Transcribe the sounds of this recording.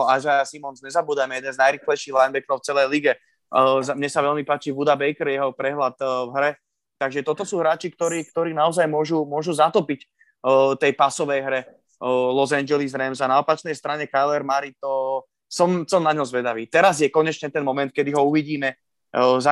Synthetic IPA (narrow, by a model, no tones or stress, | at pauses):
azajasimɔnzɲɛzabuːd̪ajmɛjɛd̪ɛnznajɾixlɛjʃiːɣɦlajnbɛknɔʊft͡sɛlɛjliɡɛ | zmɲɛsaʋɛlmipaːt͡ʃiʋud̪abɛjkɛɾjɛɦɔpɾɛɦlat̪vɦɾɛ | t̪aɡʒɛt̪ɔt̪ɔsuːɦɾaːt͡ʃikt̪ɔɾiːk̚t̪ɔɾiːnaɔzajmʊɔʒumʊɔʒuzat̪ɔpicː | t̪ɛjpasɔʋɛjɦɾɛ | lɔzand͡ʒɛlizɾɛmzanaɔpat͡ʃnɛjst̪ɾaɲɛkalɛɾmaɾit̪ɔ | sɔmsɔmnaɲɔmzʋɛd̪aʋiːt̪ɛɾazjɛkɔɲɛt͡ʃɲɛt̪ɛnmɔmɛnt̪̚kɛd̪iɦɔuʋiɟiːmɛ | za